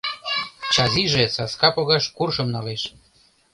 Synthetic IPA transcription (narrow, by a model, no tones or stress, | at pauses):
t͡ɕɑziʒesɑskɑpoɣɑʃkurʃɤ̆mnɑleʃ